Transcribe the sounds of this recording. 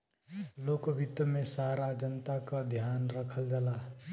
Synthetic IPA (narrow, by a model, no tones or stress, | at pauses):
lokəbʱit̪əmesaɾad͡ʒənt̪akad̪ʱjanɾəkʰəld͡ʒala